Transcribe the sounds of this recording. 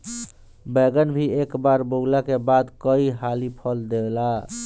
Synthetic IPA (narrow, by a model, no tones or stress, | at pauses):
beɡənbʱiekbaɾboɦlakebad̪kəiɦalipʰəld̪ela